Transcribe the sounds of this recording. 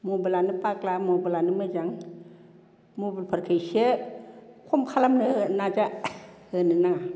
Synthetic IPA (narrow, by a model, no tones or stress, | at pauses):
mobɯlanɯpaklamɔbɯlanɯmɯd͡ʒaŋ | moblpʰaɾkʰajsie | kʰɔmkʰalamnɯnad͡ʒahɯnɯnaŋa